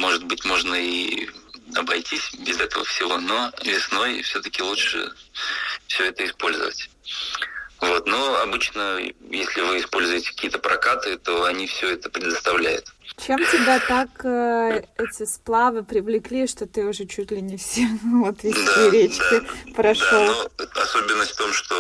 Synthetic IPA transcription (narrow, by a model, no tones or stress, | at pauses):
mo̞ʐɨd̪̚bɨtʲmo̞ʐnəi | ɐbɐjtʲisʲbʲɪzɛt̪əvə̰fsʲɪvo̞no̞vʲɪsno̞jfsʲɵt̪əkʲɪlˠutʂɨ̰ | fsʲɵɛt̪əɪspo̞lʲzə̰və̰tʲ | vo̞t̪noɐbɨt͡ɕnəjesʲlʲɪvɨɪspo̞lʲzʊjɪtʲɪ̥kɐ̥kʲiːət̪əpɾʔɐkat̪ɨt̪o̞ɐnʲifsʲɵɛt̪ə̥pɾʲɪd̪əst̪ɐvlʲæjʊ̰t̪t͡ɕemtʲɪbʲat̪akəɛtʲɪsplˠavɨpɾʲɪvlʲɪklʲiʂt̪ot̪ɨʊʐɛt͡ɕutʲlʲɪnʲɪfsʲemvot̪ɪd̪iɾʲet͡ɕ̪aɪpɾɐʂd̪aanˠoɐso̞bʲɪnːəstʲfʲt̪o̞mʂt̪o